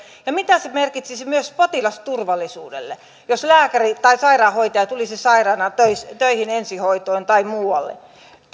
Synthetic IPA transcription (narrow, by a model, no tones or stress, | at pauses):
jɑmit̪æsemerkit̪sismyøspot̪ilɑst̪urʋɑlːisṵːdḛlːḛ | joslæːkærit̪ɑisɑirɑːhoit̪ɑjɑt̪ulisesɑirɑːnɑt̪øist̪øihinensihoit̪oint̪ɑimuːwɑ̰lːḛ